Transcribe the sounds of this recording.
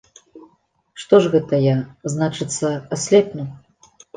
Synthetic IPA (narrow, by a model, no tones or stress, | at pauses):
ʂt̪ɔʐɣɛt̪ɐjaznat͡ʂɨt̪sːɐasʲlʲɛpnʲu